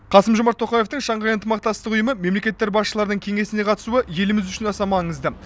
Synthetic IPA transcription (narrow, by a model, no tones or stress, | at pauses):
qʰɑsəmʒo̞mɑɾt̪ʰo̞qɑje̞ft̪əɴʃɑɴʁɑjənt̪əmɑq̚t̪ɑst̪əqʊjəməme̞mle̞kʲe̞t̪ːe̞ɾbɑsʃəlˠɑɾd̪əɴkʲʰe̞ŋe̞sɪne̞qʰɑt̪ə̥suəje̞lɪmɪzʏʃɪnɑsɑmɑɴəzd̪ə